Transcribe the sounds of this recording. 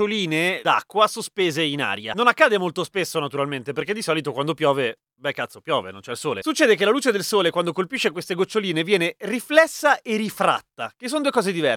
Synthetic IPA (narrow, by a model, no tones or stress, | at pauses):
oliːned̪a̰kːwasospeːzeina̰ːɾja̰nonakːaːd̪emolt̪ospesːonat̪uɾalment̪epeɾrked̪isɔːlit̪okwand̪opjɔːve | bɛkːat̪sːopjɔːvḛno̰nt͡ʃɛilsoːlesut͡ʃːɛːd̪ek̬elaluːt͡ʃed̪elsoːlekwand̪okolpiʃːekwest̪eɡot͡ʃːoliːnevjɛːneriflɛsːaʔerifɾa̰t̪ːakesːond̪uːekɔːzed̪ivɛ̰r